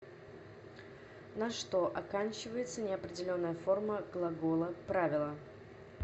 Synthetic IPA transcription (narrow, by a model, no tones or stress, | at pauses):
nɐʂt̪o̞ʔɐkanʲt͡ɕɪvəjɪt̪sənʲɪɐpɾʲɪdʲɪlʲo̞nːəjəfo̞rməɡlˠɐɡolˠəpɾavʲɪlˠə